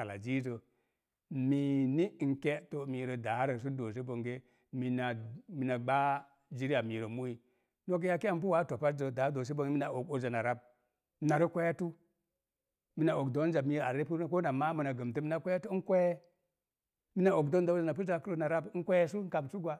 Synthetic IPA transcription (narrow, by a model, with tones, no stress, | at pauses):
a˨la̰˨d͡ʒi˦zə˨ | mi˨ni˦˨ŋke˦to˨mi˨ɾə˨da˨˦ɾə˨s̬u˦do˨s̬e˦bo˨ŋɡe˦ | mi˨na˨mi˨na˨ɡ͡ba˦ | d͡ʒi˦ɾi˦a˨mi˨ɾə˨mu˦i˨ | no˦k̬e˦ja˦ke˦a˦mp̬u˦wa˦to˨pa˦td͡ʒə˨da˨˦do˨s̬e˦bo˨ŋɡe˦mi˦na˨o˨ko˦zə˨na˨ɾa˦b̚ | mi˨na˨ɾi˦kʷe˦ja˦tu˦ | mi˨na˨o˨kdo˦n˦d͡ʒa˨mi˨ɾa˨ɾe˦pu˦ko˦na˨ma˦mi˨na˨ɡə˨m˨tə˦mi˦na˨kʷa˦ja˦tu˦kʷo˦je˦ | mi˦na˨o˨kdo˦n˦da˨˦o˦zə˨na˨pu˦za˦˨kə˦ɾə˦na˨ɾa˦bŋ̩˦kʷe˦je˦s̬u˦ka˨msu˦ɡwa˨